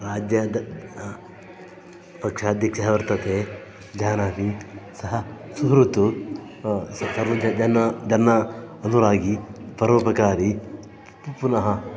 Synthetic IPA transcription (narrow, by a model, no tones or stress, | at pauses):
ɾaːd͡ʒjɐd̪ | pɐkʂaːd̪jɐkʂɐɦɐʋɐɾt̪ɐt̪eː | d͡ʒaːnaːmisɐɦɐsuɦɾut̪u | sɐsɐɾʋɐd͡ʒɐd͡ʒɐnːɐd͡ʒɐnːɐɐnuɾaːɡipɐɾoːpɐkaːɾi | ppunɐɦɐ